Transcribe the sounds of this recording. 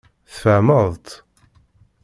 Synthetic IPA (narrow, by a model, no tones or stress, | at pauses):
θfəʕməðˤt̪